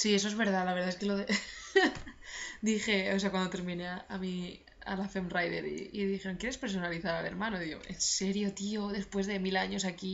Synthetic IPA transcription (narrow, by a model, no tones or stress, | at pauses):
sie̞so̞ezβe̞ɾðalaβeɾðaes̬keloðe | d̪ixe̞os̬eakwand̪ot̪eɾmineaami | a̰lafemrajðeɾḭːðixe̞ɾoŋkjeɾespe̞ɾs̬o̞naliθaɾale̞ɾmãnoðiɣo̰e̞nse̞ɾjo̞t̪ioðe̞spwe̞zðe̞milaɲo̞s̬aki